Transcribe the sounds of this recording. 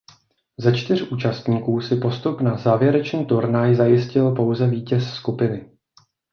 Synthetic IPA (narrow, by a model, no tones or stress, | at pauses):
zat͡ʃt̪ɪr̝ʔuːt͡ʃast̪ɲiːkuːsɪpo̞st̪upnazaːvjɛɾɛt͡ʃniːt̪uɾnajzajɪscɪlpo̞wzɛviːcɛsːkupɪnɪ